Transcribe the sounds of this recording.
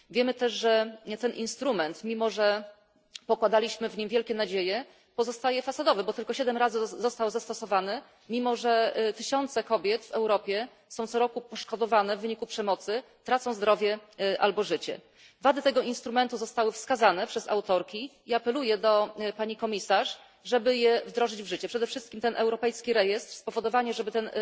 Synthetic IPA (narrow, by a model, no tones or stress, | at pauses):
vʲjɛmɘt̪ɛʂʐɛt̪ɛnʔinst̪ɾumɛnt̪mʲimɔʐɛ | pɔkwad̪alʲiɕmɘvɲimvʲjɛlkʲɛnad͡ʑejɛ | pɔzɔst̪ajɛfasad̪ɔvɛbɔt̪ɘlkɔɕɛd̪ɛmɾazɘzɔst̪awzast̪ɔsɔvanɘ | mʲimɔʐɛt̪ɘɕɔnt̪sɛkɔbʲjɛt̪vɛwɾɔpʲjɛ | sɔ̃w̃t̪sɔɾɔkupɔʂkɔd̪ɔvanɛvːɘɲikupʂɛmɔt̪sɘ | t̪ɾat̪sɔ̃w̃zd̪ɾɔvʲjɛʔa̰lbɔʐɘt͡ɕɛ̰ | vad̪ɘt̪ɛɡɔinst̪ɾumɛnt̪uzɔst̪awɘfskazanɛpʂɛza̰wt̪ɔɾkʲi | iapɛlujɛd̪ɔpaɲikɔmʲisaʂ | ʐɛbɘjɛvd̪ɾɔʐɘd͡ʑvʐɘt͡ɕɛpʂɛd̪ɛfʂɘst̪kʲimt̪ɛnʔɛwɾɔpɛjskʲiɾɛjɛst̪ɾspɔvɔd̪ɔvaɲɛʐɛbɘt̪ɛn